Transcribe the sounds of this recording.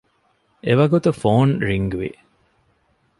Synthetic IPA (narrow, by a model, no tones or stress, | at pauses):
eʋɐɡut̪ufoːnɾiŋɡuʋḭ